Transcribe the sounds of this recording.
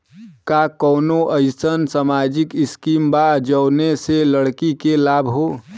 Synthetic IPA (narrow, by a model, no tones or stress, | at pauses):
kakɔːnoʔəɪsənsamaːd͡ʒɪkɪskiːmbad͡ʒəːneseləɽkikelaːbʱɦoː